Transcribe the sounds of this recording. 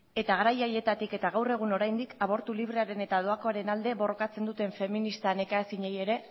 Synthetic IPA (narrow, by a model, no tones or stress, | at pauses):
e̞t̪aɣaɾajaje̞t̪at̪ike̞t̪aɣawre̞ɣ̞uno̞ɾajnd̪ikʰaβo̞ɾt̪uliβ̞ɾe̞aɾe̞ne̞t̪aðoako̞aɾe̞nald̪e̞βo̞ro̞kat͡se̞nd̪ut̪e̞ɱfe̞minist̪anekaːsiɲeje̞ɾe̞